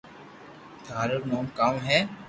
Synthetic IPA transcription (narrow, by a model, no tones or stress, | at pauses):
t̪ʰaːɾəɾnoːmkaːmɦɛː